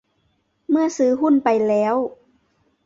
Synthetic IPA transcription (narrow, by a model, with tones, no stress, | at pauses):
mɯ˥˩ɐsɯː˧˦ɦu˥˩˨npa˧jlɛː˦˥w